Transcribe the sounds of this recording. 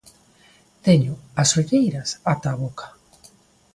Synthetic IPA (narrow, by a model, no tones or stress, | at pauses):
t̪eɲʊasoɣejɾɐsat̪aβokʰḁ